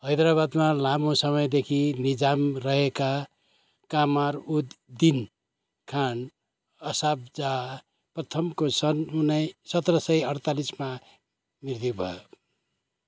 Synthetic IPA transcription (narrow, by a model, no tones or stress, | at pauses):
ɦʌjd̪ɾaβad̪malamõsʌmʌjd̪ekʰinid͡zamrʌɦeka | kamaɾud̪d̪in | kʰan | ʌsab̚d͡za | prʌt̪ʰʌmkosʌnunʌjsʌt̪rʌsʌjʌɽt̪alisma | miɾd̪ibʱʌ̰jo